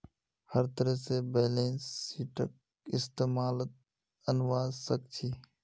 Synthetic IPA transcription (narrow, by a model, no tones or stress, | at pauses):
həɾt̪əɾəsebeːleːnsiːʈə̰k̚ | ɪst̪eːmaːlət̪̚ | ənʋaːzsək̚t͡ʃʰiː